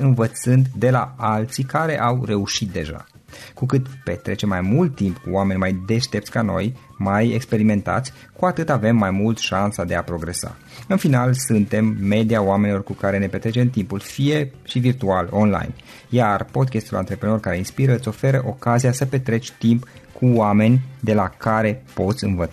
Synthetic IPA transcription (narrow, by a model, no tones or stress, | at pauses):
ɨnvət̪sɨnd̪d̪e̞laalt̪sikaɾe̞ʔawre̞uʃit̪̚d̪e̞ʒa̰ | kukɨt̪pe̞t̪ɾe̞t͡ʃe̞mːajmult̪ːimpkuame̞nʲmajd̪e̞ʃt̪e̞p̪̚sʲkano̞̰j | majekspe̞ɾime̞nt̪a̰t̪sʲ | kuat̪ɨt̪ave̞mːajmult̪ʃansad̪e̞apɾo̞ɡɾe̞sa̰ | ɨnfinalsɨnt̪e̞mːe̞d̪iaoame̞nilo̞rkukaɾe̞ne̞pe̞t̪ɾet͡ʃe̞mt̪impulfije̞ʃivirt̪ualo̞nla̰jn | jarpo̞d̪̚kʲest̪ula̰nt̪ɾe̞pɾeno̞rkaɾe̞inspiɾəɨt̪sʲo̞fe̞ɾəʔo̞kaziasəpe̞t̪ɾe̞t͡ʃʲt̪impkʰuwame̞nʲd̪e̞lakaɾe̞po̞t̪sʲɨnvət̪